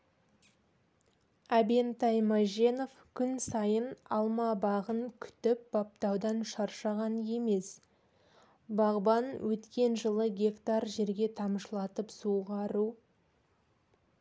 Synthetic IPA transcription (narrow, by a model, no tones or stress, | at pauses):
æbe̞nt̪ɑjmaʒe̞no̞fkʲʰʏnsɑjənɑlˠmɑbɑʁəŋkʲʰʏ̥t̪ɪp̚b̥ɑp̚t̪ɑwd̪ɑnʃɑɾʃɑʁɑnje̞me̞s | bɑʁbɑnwʔɵt̪kʲe̞nʒəlˠəɡʲe̞kt̪ɑrʒe̞ɾɡʲe̞t̪ʰɑməʃlˠɑt̪əpsuʁɑɾu